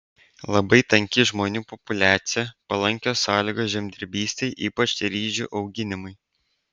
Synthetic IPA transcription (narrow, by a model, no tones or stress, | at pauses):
lˠɐbɐɪt̪ɐŋʲkʲɪʒmoːnʲuːpɔpʊlʲæːt̪sʲɪjɛpɐlˠɐŋʲkʲoːsɑːlʲiːɡoːsʒʲɛmʲd̪ʲɪɾʲbʲiːsʲt̪ʲɛɪʔiːpɐt͡ʃt̪ʲɛɾʲiːʒʲṵːʔɒʊɡʲɪnʲɪmʊɪ